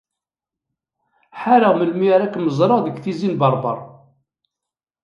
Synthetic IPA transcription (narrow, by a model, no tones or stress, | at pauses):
ħaɾəʁməlmiɾækːməzˤɾˤɑʁðəɡθizinbɑɾˤbɑ̰ɾˤ